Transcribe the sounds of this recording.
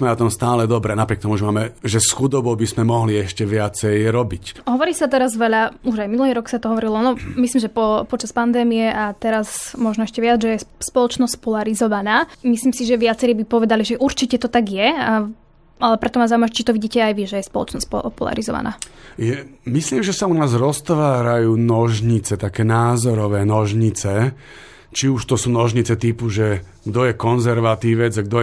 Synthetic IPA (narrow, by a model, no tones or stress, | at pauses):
mɛɔt̪ɔmst̪aːlɛd̪ɔbɾɛnapɾɪɛkt̪ɔmuʒɛmaːmɛʒɛsxud̪ɔbɔbismɛmɔɦliɛʃcɛʋɪat͡sɛjɾɔbicɦɔʋɔɾiːsat̪ɛɾazʋɛʎauʒajminuliːɾɔksat̪ɔɦɔʋɔɾilɔnɔmisliːmʒɛpɔpɔt͡ʃaspand̪ɛːmijɛʔat̪ɛɾazmɔʒnɔɛʃcɛʋɪad͡zʒɛjɛspɔlɔt͡ʃnɔspɔlaɾizɔʋanaːmisliːmsiʒɛʋɪat͡sɛɾiːbipɔʋɛd̪aliʒɛʔuɾt͡ʃicɛt̪ɔt̪aɡjɛa | alɛpɾɛt̪ɔmazauimaɛt͡ʃit̪ɔʋiɟiːcɛajʋiʒɛjɛspɔlɔ̰t͡ʃnɔspɔ̰pɔla̰ɾizɔ̰ʋa̰na̰ːjɛmisliːmʒɛsaunaːzɾɔst̪ʋaːɾajuːnɔʒɲit͡sɛt̪akɛːnaːzɔɾɔʋɛːnɔʒɲit͡sɛ | t͡ʃiuʃt̪ɔsuːnɔʒɲit͡sɛt̪ipuʒɛ | ɡd̪ɔjɛkɔnzɛɾʋat̪iːʋɛd͡zaɡd̪ɔ